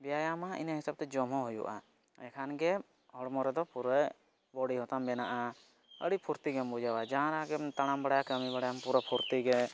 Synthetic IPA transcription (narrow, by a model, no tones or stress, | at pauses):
bɛjajamaḭnaɦisab̚t̪ɛd͡ʒɔmɔ̃ɦujṵʔa̰ | ɛkʰanɡɛ | hɔɽmɔɾɛd̪ɔpuɾɛ | bɔɽiɦɔt̪ambɛnaʔa | ə̰ɽipʰuɾt̪iɡɛmbud͡ʒawad͡ʒaanaɡɛmt̪aɽ̃ambaɽajakəmibaɽajampuɾɔpʰuɾt̪iɡɛ